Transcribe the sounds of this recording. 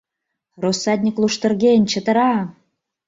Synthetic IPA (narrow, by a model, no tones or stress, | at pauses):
rosːɑd̪ʲnʲiklˠuʃt̪ə̆rɣenʲt͡ɕə̆t̪ə̆ɾɑ